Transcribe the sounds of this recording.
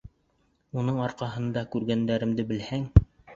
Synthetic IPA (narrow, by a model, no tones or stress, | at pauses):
unɤɴɑɾqɑɦɤ̆nd̪ɑkʉɾɡænd̪æɾɘ̆md̪ɘbɘ̆lhæŋ